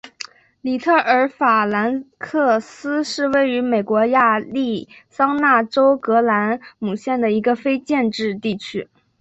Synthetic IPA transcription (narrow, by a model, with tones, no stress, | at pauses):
li˨˩t̪ʰɤ˥˩ʔə˞˧˥fa˨˩la˧˥nkʰɤ˥˩sɹ̩˥ʂɻ̩˥˧we˥˩ɪy˧˥me˨˩ɪkwɔ˧˥ja˥˧li˥˩sɑ˥ŋna˥˩ʈ͡ʂo˥ʊkɤ˧˥la˧˥nmu˨˩ɕjɛ˥˩nd̪ə˩i˧˥ɡə˧fe˥ɪt͡ɕjɛ˥˧nʈ͡ʂɻ̩˥˧t̪i˥˩t͡ɕʰy˥